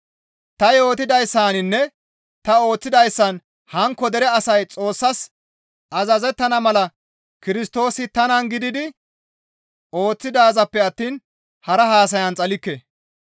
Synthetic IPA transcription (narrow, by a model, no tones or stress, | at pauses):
t̪ɐjo̞ːt̪ɪd̪ɐjsːaːnɪnːɛ | t̪ɐo̞ːt͡sːɪd̪ɐjsːɐn | hɐŋkːɔd̪ɛɾɛɐsɐjt͡sʼo̞ːsːɐs | ʔɐzɐzɛt̪ːɐnɐmɐlɐ | kɪɾɪst̪o̞ːsɪt̪ɐnɐnɡɪd̪ɪd̪ɪ | o̞ːt͡sːɪd̪aːzɐpːɛɐt̪ːiːn | hɐɾɐɦaːs̬ɐjɐnt͡sʼɐlɪkːe